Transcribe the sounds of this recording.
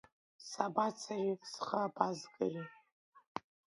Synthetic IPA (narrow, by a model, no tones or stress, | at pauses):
sabat͡sʰarisχərapʰʼazɡɨri